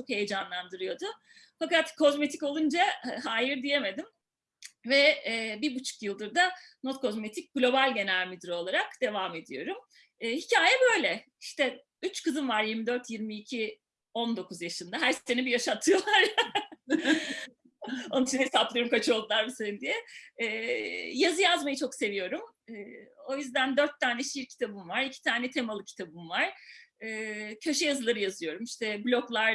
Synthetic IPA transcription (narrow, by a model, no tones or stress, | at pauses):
t͡ʃʰo̞khe̞jed͡ʒanlˠand̪ɯɾɯjo̞d̪ʊ | fakat̪kʰo̞zme̞t̪ʰico̞lˠund͡ʒaɦaːjiɾd̪ije̞me̞d̪im | vɛbibut͡ʃʰu̥kjɯlˠd̪ɯɾd̪ano̞t̪kʰo̞zme̞t̪ʰic̚ʲɡ̥lʲo̞balʲɟe̞næɾmid̪iɾo̞lˠaɾakd̪̥e̞vame̞d̪ijo̞ɾumː | hicʰaːjɛbø̞jlʲɛ | iʃt̪ɛ | yt͡ʃkʰɯzɯnvaɾjiɾmid̪øɾt̪ʰjiɾmiːcʰi | o̞nd̪o̞kʰuzjaʃɯnd̪aɦæɾsenibijaʃat̪ʰːɯjo̞lˠaɾ | ont͡ʃʰinɛjesaplˠɯjo̞ɾumkʰat͡ʃʰɯo̞lˠd̪lˠaɾbisenind̪ijɛː | jazɯjazmajt͡ʃʰo̞kse̞vijo̞ɾumː | o̞jyzd̪ænd̪øɾt̪ʰːaːnɛʃiɾcʰi̥t̪ʰabɯmvaɾicʰi̥t̪ʰaːnɛt̪ʰe̞malˠɯcʰi̥t̪ʰabɯmvaɾ̥ɛːcʰaʃajazɯlˠaɾɯjazɯjo̞ɾumiʃt̪ɛblʲo̞klˠaɾ